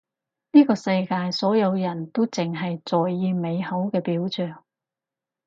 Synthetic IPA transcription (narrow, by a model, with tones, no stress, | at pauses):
niː˥kɔː˧sɐ˧jkaː˧jsɔː˨˥jɐ˨˧wjɐ˨˩nt̪o˥wt͡sɪ˨ŋɦɐ˨jt͡sɔː˨jːiː˧me˨˧jhɐ˨˥wkɛː˧piː˨˥wt͡sœː˨˩ŋ